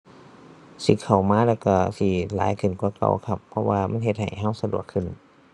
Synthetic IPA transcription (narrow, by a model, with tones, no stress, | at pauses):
si˧˦˩kʰa˨˩wmaː˧˥˨lɛː˧˩wkɔː˧˩siː˧˩la̰ː˨˦jkʰɯ˨˩nkwaː˧˩˦ka̰˧˩wkʰa˧pʰːɔ˧waː˧mʔa˧˥˨nɦe˧t̪̚ha˨˩jɦa˧˥˩wsa˧du˨˩əkʰːɯ˨˩˨n